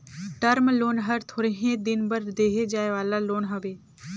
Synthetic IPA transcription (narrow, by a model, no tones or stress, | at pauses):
ʈəɾmloːnɦəɾt̪ʰoːɾeɦẽd̪ɪnbɐɾd̪eːɦed͡ʒaːeʋaːlaloːnɦɐbeː